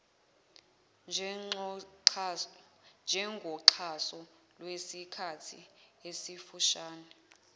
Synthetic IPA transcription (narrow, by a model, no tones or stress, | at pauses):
nd͡ʒʱɛŋɡʱɔǃʰasɔ | lwesikʰatʰḭesifuʃaːnɛ